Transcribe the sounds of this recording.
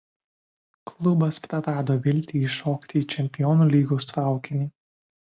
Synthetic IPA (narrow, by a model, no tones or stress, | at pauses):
klˠʊbɐspʲɾɐɾɑːd̪oːʋʲɪlʲt̪ʲiːʃoːkt̪ʲɪːt͡ʃʲɛmʲpʲɪjɔːnuːlʲiːɡoʊst̪ɾɑˑʊkʲɪnʲiː